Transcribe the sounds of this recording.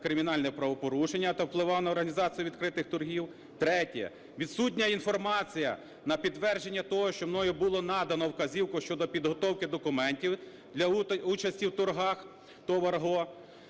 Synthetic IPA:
kɾɪmʲinɑlʲnɛpɾɐʋɔpɔɾuʃenʲːɐt̪ɐwplˠɪʋɑnɐɔrɦɐnʲizɑt͡sʲijʊʋʲid̪kɾɪt̪ɪxt̪ʊrɦʲiw | t̪ɾɛtʲjɛ̰ | ʋʲid̪sut̬ʲnʲɐinfɔrmɑt͡sʲijɐ | nɐpʲid̪ʋɛrʒe̞nʲːɐt̪ɔɦɔʃt͡ʃɔmnɔjʊbulˠɔnɑd̪ɐnɔwkɐzʲiwkʊʃt͡ʃɔd̪ɔpʲid̪ɦɔt̪ɔwkɪd̪ɔkʊmɛnʲtʲiw | d̪lʲɐut͡ʃɐsʲtʲiwt̪ʊrɦɑx | t̪ɔʋɐrɦɔ

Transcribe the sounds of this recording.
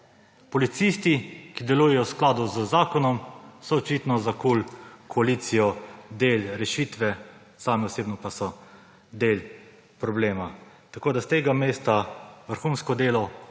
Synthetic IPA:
pɔlit̪sist̪ikid̪ɛlujɛjɔwsklaːd̪uzəzaːkɔnɔmsɔːt͡ʃiːt̪nɔzakulkʰɔaliːt̪sijɔd̪eːlɾɛʃit̪ʋɛ | saːmɛɔseːbnɔpasɔ | d̪eːl | pɾɔbleːma | t̪akoːd̪ast̪eːɡameːst̪aʋəɾxunskɔd̪eːlɔ

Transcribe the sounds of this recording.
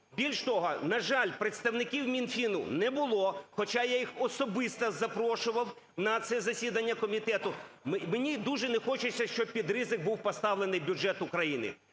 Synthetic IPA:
bʲilʲʃt̪ɔɦɔnɐʒɑlʲpɾet̪st̪ɐwnɪkʲiwmʲinfʲinʊnɛbʊlˠɔxɔt͡ʃɑjajixɔsɔbɪst̪ɐzɐpɾɔʃʊʋɐw | nɐt̪sɛzɐsʲid̪ɐnʲːɐkɔmʲit̪ɛt̪ʊmmenʲid̪uʒɛnɛxɔt͡ʃɪt͡sʲsʲɐʃt͡ʃɔb̚pʲid̪ɾɪzɪk̚buwpɔst̪ɑʋlenɪjbʲʊd͡ʒɛt̪ʊkɾɐjinɪ̰

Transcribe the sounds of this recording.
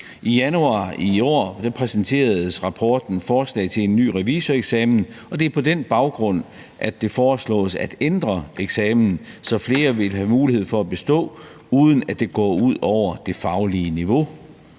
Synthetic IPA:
ʔijænuɑ̈iɒ̰ːd̥æpʰʁɛsən̩t͡sʰe̝̰ːɐð̩ˠsʁɑ̈pʰɒːd̥n̩fɒːslɛ̰ɪt͡sʰe̝le̝nːy̰ːʁɛʋisəeɡ̥sɛːmn̩ | ɒ̽d̥e̝æɐpʰɒ̽d̥enb̥ɑ̈ʊɡ̥ʁɔ̽n̰ | ʔædd̥e̝fɒːslɔ̰̽ːsæd̥end̥ʁɐeɡ̥sɛːmnn̩sɒ̽fle̝ːɐʋe̝lɦæmuːlihe̝ð̞̰ˠfɒ̽æb̥e̝sd̥ɔ̰̽ː | uːð̞ˠn̩æd̥e̝ɡ̥ɒ̰ːuð̞̰ˠɒʊ̰ɐd̥e̝fɑ̈ʊliəniʋo̝

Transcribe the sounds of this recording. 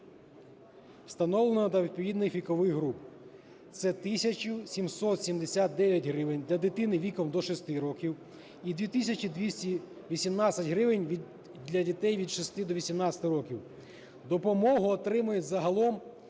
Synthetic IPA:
wst̪ɐnɔlˠenɔd̪ɐʋʲid̪̚pɔʋʲid̪nɪxʋʲikɔʋɪɣɦɾup | t̪sɛt̪ɪsʲɐt͡ʃʊsʲimsɔt̪sʲimd̪esʲat̪̚d̪ɛʋʲjɐtʲɦɾɪʋɪnʲd̪lʲɐd̪ɪt̪ɪnɪʋʲikɔmd̪ɔʃɔst̪ɪɾɔkʲiw | id̪ʋʲit̪ɪsʲɐt͡ʃid̪ʋʲisʲtʲi | ʋʲisʲimnɑt͡sʲsʲɐtʲɦɾɪʋɪnʲ | d̪ʲlʲɐdʲit̪ɛjʋʲid̪ʃɪst̪ɪd̪ɔʋʲisʲimnɑsʲɐ̥t̪ɪɾɔkʲiw | d̪ɔpɔmɔɦʊɔt̪ɾɪmʊjʊzɐɦɐlˠɔm

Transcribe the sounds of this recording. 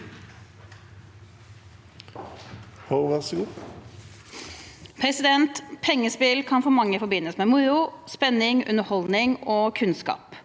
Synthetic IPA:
hoʊʋɑsəɡuː | pʰɾɛsɪd̪ɛnt̪pʰɛŋːəspɪlkʰɑnfɔmɑŋːəfɔɾbɪnːəsmeːmʊɾʊspɛnːɪŋʉ̰nəhɔld̪nɪŋoːkʰʉnskɑ̰ːp

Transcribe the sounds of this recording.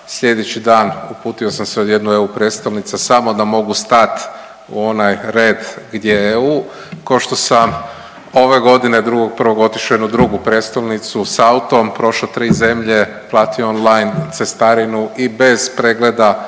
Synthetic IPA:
sʎʲe̞d̪et͡ɕid̪aːnupuːt̪io̞samseod̪je̞d̪nue̞upɾe̞t̪st̪olnit̪sasamo̞d̪amo̞ɡust̪at̪ | ṵo̞najɾe̞ːd̪ɡd̪jeeuː | koʃt̪o̞sam | o̞ʋe̞ɡo̞d̪ined̪ɾuɡo̞ɡ̚pr̩ʋo̞ɡo̞t̪i̥ʃoje̞d̪nud̪ɾuɡupɾet̪st̪olnit̪susaut̪ompɾo̞ʃlot̪ɾiːze̞mʎe̞ | plˠaːt̪ioo̞nlajnt̪sest̪aɾinuibe̞z̥pɾe̞ɡle̞d̪a

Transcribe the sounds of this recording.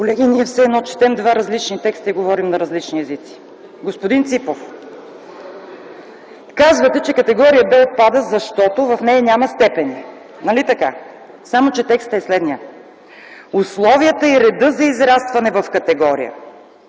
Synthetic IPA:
kolɛɡ̟iniɛfsɛɛd̪nɔt͡ʃɛ̥t̪ɛmd̪vaɾɐzlit͡ʃnit̪ɛkst̪əiɡovɔɾimnɐɾɐzlit͡ʃniɛzit̪si̥ | ɡospod̪int̪sipof | kazvət̪ɛt͡ʃɛkɐt̪ɛɡɔɾijəbɛot̪̚pad̪əzɐʃt̪ɔt̪ovɐfnɛjɐnʲamɐst̪ɛpɛni | nɐlit̪ɐka | samot͡ʃɛt̪ɛkst̪ɛslɛd̪nijə | ʊslˠɔviət̪əiɾɛd̪ɤzɐizɾast̪vɐnɛvɐfkɐt̪ɛɡɔɾḭjə̰

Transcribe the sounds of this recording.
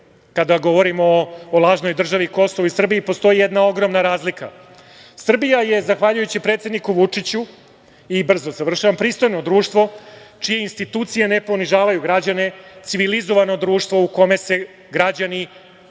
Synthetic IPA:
kad̪aɡo̞ʋo̞ɾimoːlˠaːʒno̞jd̪r̩ʒaʋiko̞soʋisr̩biipost̪o̞jijed̪nao̞ɡɾo̞mnaɾaːzlika̰ | sr̩bijaje̞zaxʋaːʎujut͡ɕipɾe̞ːt̪sjed̪nikuʋut͡ʂit͡ɕu | ibr̩zo̞zaʋr̩ʃaʋampɾiːst̪o̞jno̞d̪ɾuːʃt̪ʋo̞t͡ʂije̞inst̪it̪uːt̪sijene̞po̞niʒaːʋajuɡɾad͡ʑane̞t̪siʋilizo̞ʋano̞d̪ɾuːʃt̪ʋo̞uko̞me̞se̞ | ɡɾad͡ʑani

